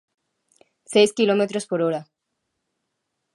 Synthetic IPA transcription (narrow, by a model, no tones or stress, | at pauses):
sejskilomet̪ɾospoɾoɾa